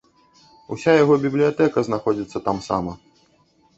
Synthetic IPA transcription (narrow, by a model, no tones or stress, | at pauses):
ṵsʲajaɣɔbʲiblʲijat̪ɛkɐznaxɔd͡zʲit̪sːɐt̪amsa̰mɐ